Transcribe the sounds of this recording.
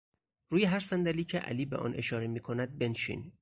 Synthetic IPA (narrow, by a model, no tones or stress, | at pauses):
ruːjeɦæɾsænd̪æliːcʰeʔæ̰liːbeʔɒ̰ːnʔe̞ʃɒːɾemiːkʰonæd̪̚be̞nʃḭːn